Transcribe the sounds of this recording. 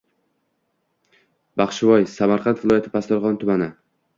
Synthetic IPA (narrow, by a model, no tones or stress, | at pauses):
bɑχʃɪvɒjsamaɾqʰɑnt̪vɪlˠɒjat̪ʰɪpʰast̪ɒɾʁɒnt̪ʰʊmanɪ